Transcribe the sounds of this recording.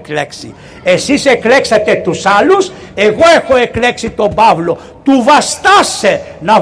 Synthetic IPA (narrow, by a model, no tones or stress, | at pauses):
kleksḭ | esisekleksat̪et̪usalus | eɣoexoekleksit̪obavlo | t̪uvast̪asenɐ